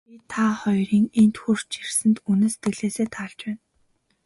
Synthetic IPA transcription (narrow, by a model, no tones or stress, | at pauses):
it̪ʰaχɔjriːŋent̪xur̥t͡ɕirsɘ̆nt̪uneːse̥t̪ɡɘ̆ɣɮeːseːt̪ʰaːɮt͡ɕpæːn